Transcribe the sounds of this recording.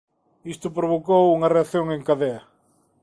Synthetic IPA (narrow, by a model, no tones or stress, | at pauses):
ist̪ʊpɾoβokowuŋɐreaθjoŋeŋkaðeɐ